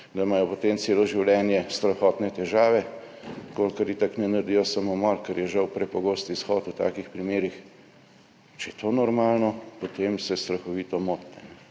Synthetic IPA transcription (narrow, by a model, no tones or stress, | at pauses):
d̪ɐmaːjɔpot̪emseːlɔʒiwlʲɛːnjɛst̪ɾɐxɔːt̪nɛt̪ɛʒaːʋɛ | kolkɐɾit̪aknɛnɐɾd̪ijɔsamomɔɾkɛɾjɛʒɐwpɾɛpɔɡoːst̪isxɔːt̪wt̪a̰ːkixpɾimeːɾix | t͡ʃɛjɛt̪ʰoːnɔɾmaːlnɔpot̪emsɛst̪ɾɐxɔʋiːt̪ɔmoːt̪nɛ̰nɛ